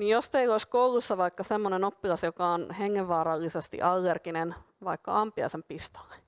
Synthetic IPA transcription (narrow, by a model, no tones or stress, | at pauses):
nijjost̪eioiskoulusːɑʋɑikːɑsemːonenopːilɑsjokɑonheŋːeʋʋːɑːɾɑlːisest̪ḭʔɑlːerkinen | ʋɑikːɑ̰ɑmpiɑ̰sempist̪o̥lːe̥